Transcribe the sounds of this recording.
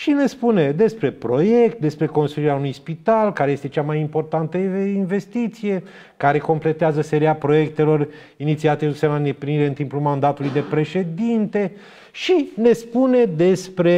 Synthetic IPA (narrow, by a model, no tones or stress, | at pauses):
ʃine̞spune̞d̪e̞spɾe̞pɾo̞je̞kt̪̚d̪e̞spɾe̞ko̞nst̪ɾuiɾeaunujspit̪alkaɾe̞je̞st̪et͡ʃamajimpo̞rt̪ant̪əinve̞st̪it̪sije̞ | kaɾe̞ko̞mple̞t̪eazəse̞ɾiapɾo̞je̞k̚t̪e̞lo̞r | init̪siat̪euseland̪epɾiniɾe̞ɨnt̪impulmand̪at̪ulujd̪e̞pɾe̞ʃe̞d̪int̪e̞ | ʃine̞spune̞d̪e̞spɾe̞